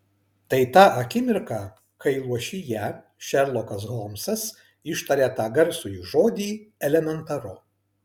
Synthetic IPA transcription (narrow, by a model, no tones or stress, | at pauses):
t̪ɐɪt̪ɑːʔɐkʲɪmʲɪɾkɑ | kɐɪlˠuɔʃʲɪjæ | ʃʲɛɾlˠɔkɐs̬ɣomsɐs | ɪʃt̪ɐɾʲet̪ɑːɡɐɾsujuːʒoːd̪ʲiːɛlʲɛmʲɛnt̪ɐɾʊ